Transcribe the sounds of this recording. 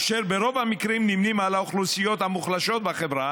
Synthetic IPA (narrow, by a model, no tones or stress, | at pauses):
ʃeɾbeɾo̞vhamikɾimnimnimalaoχlusijo̞t̪hamuχlaʃo̞t̪̚baχevɾa